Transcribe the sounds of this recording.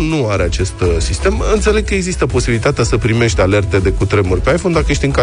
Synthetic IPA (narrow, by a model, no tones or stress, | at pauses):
nuaɾeat͡ʃe̞st̪sist̪e̞mɨnt̪se̞le̞ɡ̚kəe̞ɡzist̪əpo̞sibilit̪at̪easəpɾime̞ʃt̪ale̞rt̪e̞d̪e̞kut̪ɾe̞murʲpe̞ajfo̞nd̪akəje̞ʃ̬ʲt̪iɨŋka